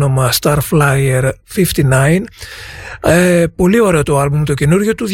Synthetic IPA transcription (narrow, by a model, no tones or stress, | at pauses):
no̞mɐst̪ɐɾflɐjeɾfift̪inɐjn | epo̞lio̞ɾe̞ot̪o̞ɐlbumt̪o̞ce̞nuɾʝot̪uð